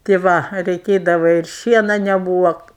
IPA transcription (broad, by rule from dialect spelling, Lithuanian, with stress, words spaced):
tʲeː ˈʋɐ rʲɛɪˈkʲeːdɐʋɐ ɪr ˈʃʲiɛnɐ nʲɛˈbuːʋɐ